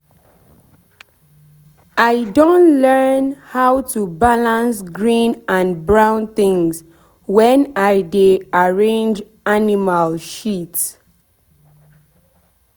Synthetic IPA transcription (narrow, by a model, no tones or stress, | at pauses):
ʔaɪdõntlɛnhawtubalãnsɡɹĩnãnbɹãʊ̃nθĩŋs | wɛ̃naɪdeaɹẽnd͡ʒ | animalʃits